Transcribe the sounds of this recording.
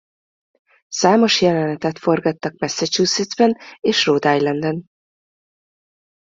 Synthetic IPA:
saːmo̞ʃjɛlɛnɛt̪ɛt̪fo̞rɡɒt̪ːɒkmɛsːɛt͡ʃuːsid̪zbɛneːʃroːd̪aːjlɛnd̪ɛn

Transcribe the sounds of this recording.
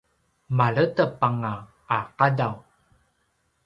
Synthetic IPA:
maɭətəpaŋaː | qadaw

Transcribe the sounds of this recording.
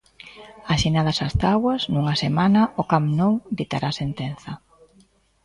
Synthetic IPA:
aʃinaðɐsast̪aɣwɐsnuŋɐsemanɐʊkamnowd̪it̪aɾasent̪enθɐ

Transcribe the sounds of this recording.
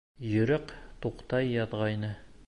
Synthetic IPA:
jɵ̆ɾɘqt̪uqt̪ɑjːɑðʁɑjnɤ

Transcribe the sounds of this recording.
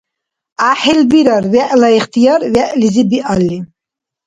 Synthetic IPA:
aħɛlbiɾaɾvɛʔlaiχt̪ʰijɑɾvɛʔlizibiʔalːi

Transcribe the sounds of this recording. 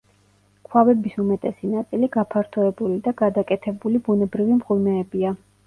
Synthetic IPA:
kʰwavɛbisumɛt̪ʼɛsinat̪sʼiliɡapʰaɾt̪ʰɔɛbulid̪aɡad̪akʼɛt̪ʰɛbulibunɛbɾivimʁʼimɛːbia

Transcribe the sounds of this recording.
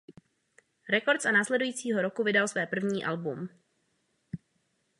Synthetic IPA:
ɾɛko̞ɾt̪sanaːslɛdujiːt͡siːɦo̞ɾo̞kuvɪdalsvɛːpr̩vɲiːʔalbum

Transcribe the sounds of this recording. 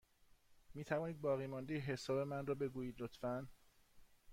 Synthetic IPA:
miːt̪ʰævɒːniːd̪̚bɒːɣiːmɒːnd̪ejeɦe̞sɒːbe̞mænrɒːbe̞ɡuːjiːd̪lot̪fæn

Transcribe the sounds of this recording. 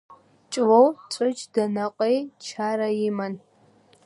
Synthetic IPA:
t͡ʃʼwowt͡ʃʷʼɨd͡ʒdɐnaqʼejt͡ʃʰaːɾajɪman

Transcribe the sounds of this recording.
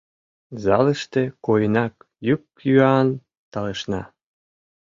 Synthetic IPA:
zɑləʃt̪ekojənɑk | jyk̚ | jyɑn | t̪ɑleʃnɑ̰

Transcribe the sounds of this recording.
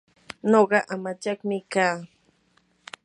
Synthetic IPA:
noɢɑʔamat͡ʃɑkmɪkaː

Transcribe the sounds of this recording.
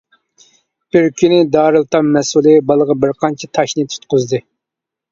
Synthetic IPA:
b̥ɪɾkʲʰynɪd̪ɑːɾɨlˠt̪ʰɑmmːɛsulˠɨbɑlˠəʁɑbɪɾqʰɑnt͡ʃʰɛt̪ʰɑʃnɨt̪ʰu̥t̪̚qʊzd̪ɨ

